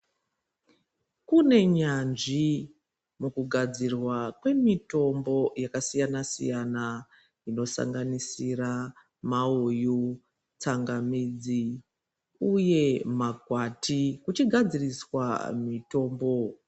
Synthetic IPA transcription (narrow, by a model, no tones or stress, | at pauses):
kune̞ɲanʐi | mukuɡʱad͡zirwakwe̞mito̞mbo̞jakasijanasḭjana | ino̞sa̰ŋɡanisira | mauju | t͡saŋɡamiːd͡zi | uje̞maɡʱwatʰikut͡ʃiɡʱad͡ziriswa̰mito̞ːmbo̞